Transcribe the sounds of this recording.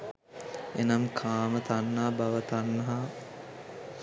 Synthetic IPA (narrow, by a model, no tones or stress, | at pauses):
enɐmkʰaːmət̪anːaɦabaʋət̪anːɐɦa